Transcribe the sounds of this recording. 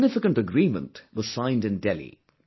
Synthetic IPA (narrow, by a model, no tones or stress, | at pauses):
nɪfɪkə̃ntəɡɾiːmə̰̃ntwʌz̥sãɪ̃ndɨ̃ndɛlḭ